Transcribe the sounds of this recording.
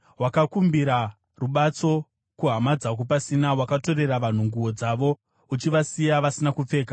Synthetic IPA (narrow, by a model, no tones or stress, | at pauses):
wakakumbiɾa | ruɓat͡so̞ | kuɦamad͡zakopasinawakato̞ɾe̞raʋan̤uŋɡuwo̞d͡zaʋo̞ | ut͡ʃiʋasijaʋasinakup͡fe̞ːka